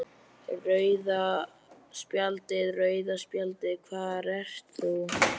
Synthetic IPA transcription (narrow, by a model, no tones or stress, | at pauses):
rœːɥða | spjalt̪ɪðrœːɥðaspjalt̪ɪkʰvaːðaɾɛr̥t̪θu